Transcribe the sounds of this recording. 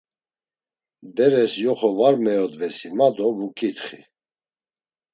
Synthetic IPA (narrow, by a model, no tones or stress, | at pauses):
b̪ɛɾɛsjɔχɔvaɾmɛɔd̪vɛsimad̪ɔbukʼit̪χi